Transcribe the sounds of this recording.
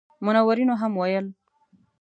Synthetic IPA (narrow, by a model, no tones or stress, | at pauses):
mʊnawaɾinoɦamwajəl